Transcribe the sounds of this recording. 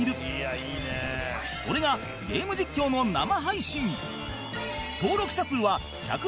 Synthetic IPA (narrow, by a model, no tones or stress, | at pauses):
iɾɯ̟iːne | so̞ɾe̞ɡa | ɡe̞ːmɯ̟d͡ʑikʲːo̞ːno̞na̰maɦaiɕĩŋ | t̪o̞ːɾo̞kɯ̟ɕasɨːβa | ça̰kɯ